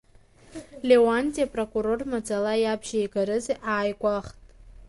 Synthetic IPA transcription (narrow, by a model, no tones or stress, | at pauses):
lewantʲʼijapʼrokʼuɾo̞rmad͡zalajabʒajɡaɾɨzeʔaːjɡʷʼaχtʼ